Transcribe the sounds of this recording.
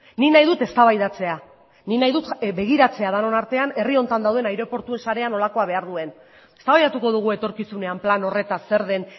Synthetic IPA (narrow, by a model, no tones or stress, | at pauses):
ninajðut̪e̞st̪aβajðat͡se̞a | ninajðut̪be̞ɣ̞iɾat͡se̞aðano̞naɾt̪e̞ane̞rio̞nt̪and̪awð̞e̞najɾo̞po̞ɾt̪ue̞nsaɾe̞ano̞lako̞aβ̞e̞aɾðue̞n | e̞st̪aβajðat̪uko̞ðuɣue̞t̪o̞ɾkisune̞amplano̞re̞t̪ase̞ɾð̞e̞n